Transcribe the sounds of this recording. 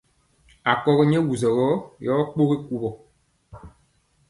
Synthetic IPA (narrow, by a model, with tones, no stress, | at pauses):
a˨kɔ˦˨ɣɛ˦ɲɛ˦wu˨zɔ˨ɣɔ˨˦jɔː˨˦k͡po˦ɣi˦ku˦bɔ˨